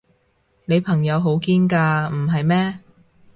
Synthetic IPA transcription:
ne˨˧jpʰɐ˨˩ŋjɐ˨˧wɦo˨˥wkiː˥nkaː˧m̩˨˩ɦɐ˨jmɛː˥

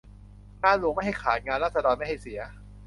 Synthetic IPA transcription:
naː˥˩nlu˧ŋma˥˩jɦa˥˩jkʰaː˨˩˦ŋaː˧nlɾaː˥˩t̪̚sa˧dɔː˧nma˥˩jɦa˥˩jsi˨˩˦ɐ

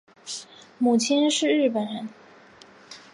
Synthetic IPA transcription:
mu˨˩t͡ɕʰi˥nʂɻ̩˥˧ɻɻ̩˥˩pə˨˩nɻə˧˥n

